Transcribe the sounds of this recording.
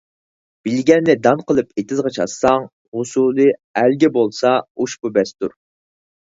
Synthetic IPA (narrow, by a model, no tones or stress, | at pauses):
b̥ilɡʲɛnːɪd̪ɑnqʰəlˠɨpʰet̪ʰɪzʁɑt͡ʃʰɑ̰sːɑŋ | husulˠɨælɡʲɛbolˠsɑuʃbubɛst̪uɾ